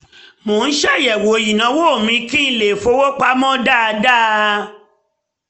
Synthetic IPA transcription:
mõ˨˦n̩˦ʃɛ˦˨jɛ˨wo˨˦ji˨nã˨˦wo˦˨mĩ˧˦kĩ˦n̩˦˨le˨fo˧˦wo˦k͡pa˦mɔ̃˦da˦a˧da˦

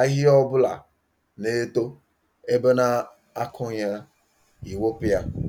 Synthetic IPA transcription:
a˦ɦi˦ɔ˦bʊ˦la̰˨ | ne˦to˦ | e˦be˦na˦ | a˦kʰʊ˦ɲa˦ | i˨wo˦pi˦ja˦

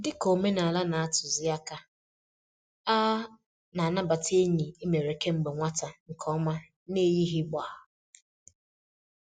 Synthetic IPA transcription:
dɪ˦ko˨me˦na˨la˦na˨a˦tʊ˨zɪ˦a˦ka˦ | a˦ | na˨a˨na˦ba˨tʰe˦ɲi˨i˦me˨ɾe˨ke˦ŋ͡m̩˨ɡ͡be˨ŋʷa˦ta˨ŋ̩˨kʰɔ˦ma˦ | ne˦ji˦ɦi˦ɡ͡ba˨a˨

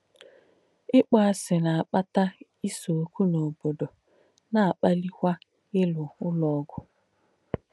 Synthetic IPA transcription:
ɪ˦k͡pa˦a˦˨sɪ˨na˨a˨k͡pa˦ta˦ | i˦so˨o˨kʷu˦no˨bo˨do˨ | na˨a˨k͡pa˦li˦kʷa˦ | ɪ˦lʊ˨ʊ˦lɔ˦˨˦ɡʷʊ˦

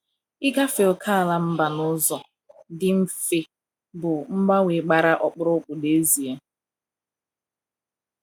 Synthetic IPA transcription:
ɪ˦ɡa˦fe˨l̩˨kʰa˦a˨la˦m̩˦ba˨nʊ˦zɔ˨ | dɪ˦m̩˦fɪ˦ | bʊ˨m̩˦ba˦we˨ɡ͡ba˨ɾa˦ʔɔ˨k͡pʊ˦ɾʊ˦k͡pʊ˨de˦zi˨e˦

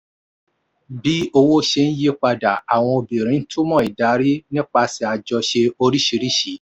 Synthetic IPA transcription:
bi˦o˧wo˦ʃe˧n̩˦je˦k͡pa˧da˨a˨w̃ɔ̃˧o˧bi˨ɾ̃ĩ˨˦tʰu˦mɔ̃˦˨i˨da˨˦ɾi˦nĩ˦k͡pa˧si˧a˨d͡ʒɔ˧ʃe˧o˧ɾi˦ʃi˧ɾi˦ʃi˨˦

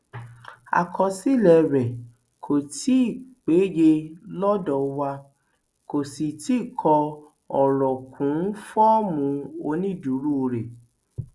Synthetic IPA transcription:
a̰˨kʰɔ˧si˦˨lɛ˨ɾɛ˨ | kʰo˨ti˨˦i˦˨k͡pe˨˦je˧lɔ̃˦dɔ˨wa˧ | ko˨si˨ti˦˨kʰɔ˧ | ɔ˨ɾɔ˨kʰũ˨˦n̩˦fɔ˦mũ˧o˧nĩ˦˨du˨˦ɾu˦o˧ɾe˨

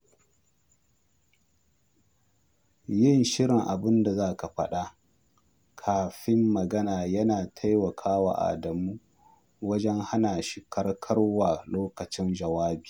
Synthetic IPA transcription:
jɪ˦˨nʃɪ˦ɽɪ˨ŋʔa˨bɪ˦nda˨zaː˦˨ka˨ɸɐ˦ɗa˦ | kʰaː˨ɸɪ˦mːɐ˨ɡɐ˦naː˨jɐ˦naː˨tʰa˦jwɐ˨kʰaː˦wa̰ː˨ʔa̰˨dɐ˨muː˦ | wɐ˦d͡ʒɛ˦ŋha˦na˨ʃi˦kɐ˦rkʰɐ˦ɽwaː˨loː˦kɐ˨t͡ʃɪ˦nd͡ʒɐ˨waː˦bi̥ː˨

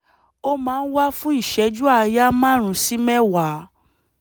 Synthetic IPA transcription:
o˦mãː˨˦˧n̩˦wa˦fũ˦i˦˨ʃɛ˧˦d͡ʒu˦a˦˧ja˦mã˦˨ɾ̃ũ˨˧si˦mɛ˦wa˨˦

